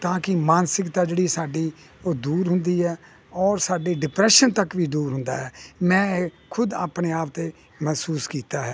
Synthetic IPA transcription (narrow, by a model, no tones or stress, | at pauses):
t̪ãːkɪmaːnsɪkt̪aːd͡ʒeːɽiːsaːɖiː | oːd̪uːɾɦʊnd̪iːɦɛː | ɔːɾsaːɖiːɖɪpɾɛːʃənt̪əkʋiːd̪uːɾɦʊ̃nd̪a̰ːɦɛːmɛ̃ː | kʰʊd̪a̰ːpneːaːp̚t̪eː | mɛːsuːskiːt̪aːɦɛː